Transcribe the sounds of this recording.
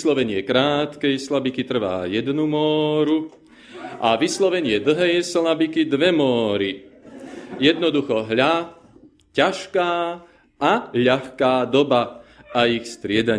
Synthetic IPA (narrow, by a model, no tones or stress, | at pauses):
slɔʋɛɲɪɛkɾaːt̪kɛjslabikit̪r̩ʋa̰ːjɛd̪numɔːɾu | ʔaʋislɔʋɛɲɪɛd̪l̩ɦɛjslabikid̪ʋɛmɔːɾi | jɛd̪nɔd̪uxɔɦʎa | caʃkaː | aʎaxkaːd̪ɔbaaixst̪ɾɪɛd̪aɲ